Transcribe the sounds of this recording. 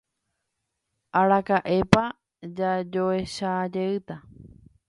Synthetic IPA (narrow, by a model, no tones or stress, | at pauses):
aɾakaʔe̞pa | d͡ʒad͡ʒoeʃad͡ʒeɨt̪a